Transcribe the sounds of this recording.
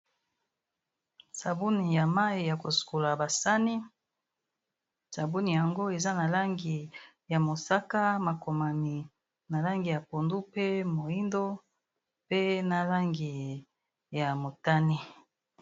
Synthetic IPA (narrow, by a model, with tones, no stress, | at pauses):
sa˨bu˦ni˨ja˨ma˦i˨ja˨ko˨su̥˨ko˨la˨ba˨sa˦ni˦ | sa˨bu˦ni˨ja˨ŋɡo˦e˨za˦na˨la˦ŋɡi˨ | ja˨mo˨sa˦ka˦ma˨ko˨ma˨ni˨ | na˨la˦ŋɡi˨ja˨po˨ndu˦pe˦mo˨i˦ndo˦ | pe˦na˨la˦ŋɡi˨ | ja˨mo˨ta˦ni˦